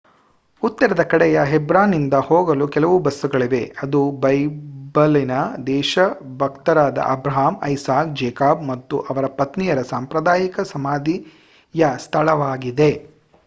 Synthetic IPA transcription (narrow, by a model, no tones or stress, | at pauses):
ut̪ːɐɾɐd̪ɐkɐɽɛjɐɦebɾaːnːind̪ɐhoːɡɐlukɛlɐʋubɐsːuɡɐɭiʋe̞ɐd̪ubɐjbɐlinɐd̪ɛːʃɐbʱɐkt̪ɐɾaːd̪ɐ̰ʔɐbɾɐɦaːmɐ̰jsaːkd͡ʒɛːkaːb̚mɐt̪ːuʔɐʋɐɾɐpɐt̪nijɐɾɐsaːmpɾɐd̪aːjikɐsɐmaːd̪i | jɐst̪ʰɐɭɐʋaːɡid̪e̞